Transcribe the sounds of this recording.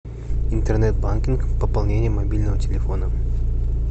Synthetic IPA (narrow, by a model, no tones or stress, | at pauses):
ɪnt̪ərnɛt̪̚bankʲinkpəpɐlˠnʲenʲɪjəmɐbʲilʲnəvətʲɪlʲɪfo̞nə